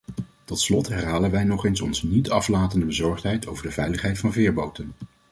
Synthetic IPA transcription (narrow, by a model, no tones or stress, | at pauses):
tɔtslɔtɦɛrɦaːlənʋɛjnɔχejnsɔ̰nznitɑflaːtəndəbəzɔɹχtɦɛjtʰowvəɹdəvɛjləχɦɛjtfɑnvɪːɹbowtən